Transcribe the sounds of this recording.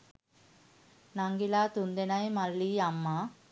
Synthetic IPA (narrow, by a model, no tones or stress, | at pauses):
naŋɡilat̪und̪enajmalːiamːa